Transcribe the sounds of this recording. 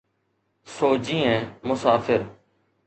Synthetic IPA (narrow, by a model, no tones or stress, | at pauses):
soːd͡ʒĩːẽːmʊsaːfɪɾ